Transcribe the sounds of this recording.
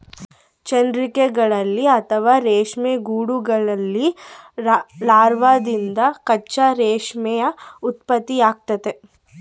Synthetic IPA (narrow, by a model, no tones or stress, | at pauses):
t͡ʃɐnd̪ɾikeɡɐɭɐlːiɐt̪ʰɐʋaːɾeːʂmeɡuːɽuɡɐɭɐlːi | laːɾʋaːd̪ind̪ɐkɐt͡ʃːaɾeːʂmɛjɐut̪̚pɐt̪ːiaːɡ̚t̪ɐt̪e